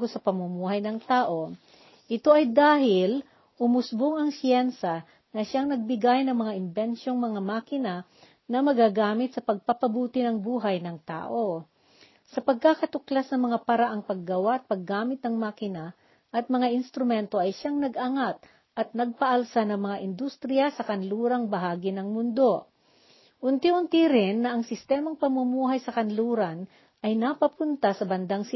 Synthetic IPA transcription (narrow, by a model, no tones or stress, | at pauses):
ɡosɐpɐmʊmuːhɐjnɐŋt̪aːʔo̞ | ʔɪt̪o̞ʔɐjd̪aːɦɪl | ʊmʊsboŋɐŋsjɛnsa | nɐʃaŋnɐɡ̚bɪɡajnɐŋmɐŋaʔɪnbɛnʃo̞ŋmɐŋamaːkɪna | nɐmɐɡaɡaːmɪt̪̚sɐpɐɡ̚pɐpɐbuːt̪ɪnɐŋbuːɦɐjnɐŋt̪a̰ːʔo̞ | sɐpɐɡ̚kakɐt̪ʊklasnɐmɐŋapɐɾaʔɐŋpɐɡːɐwaʔɐt̪̚pɐɡːaːmɪt̪̚ːɐŋmaːkɪna | ʔɐt̪̚mɐŋaʔɪnst̪ɾʊmɛnt̪o̞ʔɐjʃaŋnɐɡʔaŋat̪̚ | ʔɐt̪̚nɐɡ̚pɐʔɐlsanɐŋmɐŋaʔɪnd̪ust̪ɾɪjɐsɐkɐnluːɾɐŋbɐɦaːɡɪnɐŋmʊnd̪o̞ | ʔʊnt̪ihʊnt̪iɾɪnːɐʔɐŋsɪst̪ɛːmɐŋpɐmʊmuːɦɐjsɐkɐnluːɾɐn | ʔɐjnɐpɐpʊnt̪asɐbɐnd̪aŋs